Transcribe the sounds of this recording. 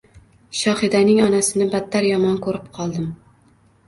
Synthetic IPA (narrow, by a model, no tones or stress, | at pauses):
ʃɒhɪd̪anɪŋɒnasɪnɪbat̪ʰːaɾjɒmɒnkʰɵɾɪp̚qʰɒlˠd̪ɪm